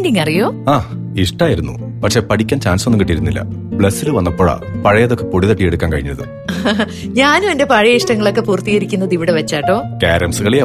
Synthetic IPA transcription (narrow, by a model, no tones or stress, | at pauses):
ndiŋːɐrijoːaː | iʂʈaːjiɾunːṵ | pɐʈʂe̞ːpɐʈikʲːaːnt͡ɕaːnsonːɨkiʈːijɾunːilːɐ̰bɭesːilɨʋɐnːɐpːoːɭɐ̰pɐɻɐjɐðokːe̞poɽiðɐʈːije̞ɽukʲːaːnkɐɻiɲːɐðɨ̰ | ɲaːnende̞pɐɻɐjɐiʂʈɐŋːɐɭo̞kːe̞puːrt̪ːijɐɾikʲːunːɐðiʋiɽeʋɐt͡ɕːaːʈːo̞ːkeːɾɐmsɨɣɐɭe